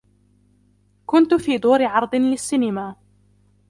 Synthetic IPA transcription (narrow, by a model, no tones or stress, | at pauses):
kʊnt̪ʊfiːd̪ˤuːɾɪʕɑɾˤd̪ˤɨlɪsːinɪmaː